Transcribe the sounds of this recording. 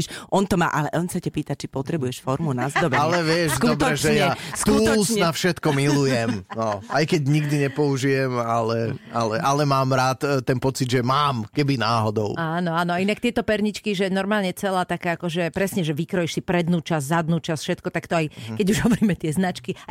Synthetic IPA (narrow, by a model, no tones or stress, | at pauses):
ʃʔɔnt̪ɔma̰ːʔalɛʔɔnsacapiːt̪at͡ʃipɔt̪ɾɛbujɛʃfɔɾmunazd̪ɔbɛalɛʋɪɛʃd̪ɔb̪ɾɛʒʒɛjaɛskuɔnafʃɛt̪kɔmilujɛmmnɔajkɛɟɲiɡd̪iɲɛpɔuʒijɛmalɛalɛʔalɛmaːmɾaːt̪t̪ːɛnpɔt͡sid̪ʒɛmaːmkɛbinaːɦɔd̪ɔ̰ʊaːnɔaːnɔainak̚t̪ɪɛt̪ɔpɛɾɲit͡ʃkiʒɛnɔɾmaːlɲɛt͡sɛlaːt̪akaːakɔʒɛpɾɛsɲɛʒɛʋikɾɔjiʃsipɾɛd̪nuːt͡ʃazzad̪nuːt͡ʃasfʃɛt̪kɔt̪akt̪ɔajkɛɟuʒɦɔʋɔɾiːmɛt̪ɪɛznat͡ʃki